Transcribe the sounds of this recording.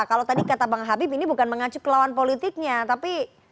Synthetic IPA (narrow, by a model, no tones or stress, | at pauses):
kalot̪adikat̪abaŋɦabipinibukanməŋat͡ʃukːəlawanpolit̪ik̚ɲat̪api